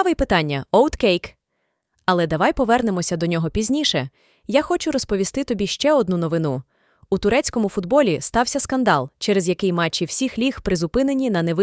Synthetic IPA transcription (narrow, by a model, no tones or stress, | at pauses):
ʋɪjpɪt̪ɑnʲːɐɔwt̪kɛjk | ɐlˠɛd̪ɐʋɑjpɔʋɛrnemɔsʲɐd̪ɔnʲɔɦɔpʲizʲnʲiʃɛ | jaxɔt͡ʃʊɾɔspɔʋʲist̪ɪt̪ɔbʲiʃt͡ʃɛɔd̪̚nunɔʋɪnu | ut̪ʊɾɛt͡sʲkɔmʊfʊd̪bɔlʲist̪ɑwsʲɐskɐnd̪ɑlˠt͡ʃɛɾezjɐkɪjmɑt͡ʃːiw̥sʲixlʲixpɾɪzʊpɪnenʲinɐneʋɪ